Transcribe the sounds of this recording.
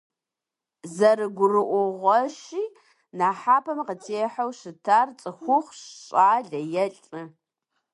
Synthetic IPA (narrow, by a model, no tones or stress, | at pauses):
zɐrɨɡʷʊrɨʔʷʊʁʷɔʃiː | naːħaːpʰɐmqətʰeːħɐwʃɪtʰaːrt͡sʼɨxʷʊχʷɕɕʼaːɮɐjɛɬʼɨ